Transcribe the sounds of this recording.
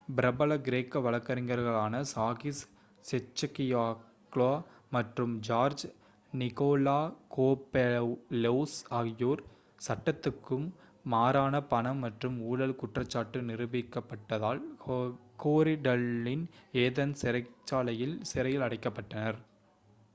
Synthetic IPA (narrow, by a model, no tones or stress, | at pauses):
bɪɾɐbɐɭɐɡɪɾeːkːɐʋɐɭɐkːɐɾɪŋɡɐɾɣɐɭaːnɐsaːɣɪs | sɛt͡ʃːɐkɪjaː | kɭoː | mɐʈrɯmd͡ʒaːɾd͡ʒ | nɪkoːlaːkoːpːeleːsaːɣɪjoːɾ | sɐʈːɐt̪ːɯkːɯmː | aːɾaːnɐpɐnɐmːɐʈrɯmuːɻɐlkʊʈrɐt͡ʃːaːʈːɯnɪɾɯbɪkːɐpːɐʈːɐðaːl | koːɾɪɖɐlːɪneːðɐnsɪɾɐɪt͡ʃːaːlɐjɪlsɪɾɐjɪlɐɽɐɪkːɐpːɐʈːɐnɐɾ